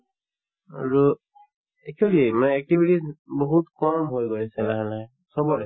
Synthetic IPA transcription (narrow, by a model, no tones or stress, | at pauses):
aɹu | ɛkʰiolimaɛk̚tibʱitisboɦutkɔmɦojɡojsɛlaɦɛlaɛ | sɔbɔɹɛ